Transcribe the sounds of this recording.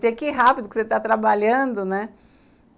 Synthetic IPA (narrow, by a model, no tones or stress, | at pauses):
t̪ɛkɪɦapid̪ʊkɪ̥set̪at̪ɾabaʎɐ̃d̪ʊnɛ